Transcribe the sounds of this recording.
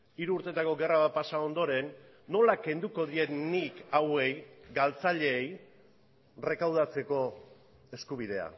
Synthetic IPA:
iɾuːɾt̪e̞t̪ako̞ɡe̞raβapasao̞nd̪o̞ɾe̞nː | o̞lake̞nd̪uko̞ðie̞nikawe̞jɡalt͡saʎe̞ːj | re̞kawð̞at͡se̞ko̞ | e̞skuβ̞iðe̞a̰

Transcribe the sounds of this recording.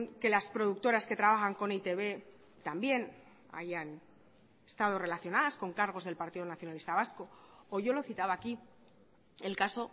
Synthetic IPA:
ke̞laspɾo̞ðuk̚t̪o̞ɾaske̞t̪ɾaβ̞axaŋko̞nit̪e̞βe̞ | t̪ambje̞n | a̰ʝan | est̪að̞o̞re̞laθjo̞naðasko̞ŋkaɾɣ̞o̞zðe̞lpaɾt̪iðo̞naθjo̞nalist̪aβ̞asko̞ːʝo̞lo̞θit̪aβaːki | e̞lkaso̞

